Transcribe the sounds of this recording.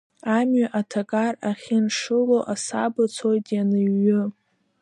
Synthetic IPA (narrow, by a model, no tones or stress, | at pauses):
amɥaʔatʰakʼaraχʲɪnʂɨloʔasabɨt͡sʰojtʼjanɨɥːʊ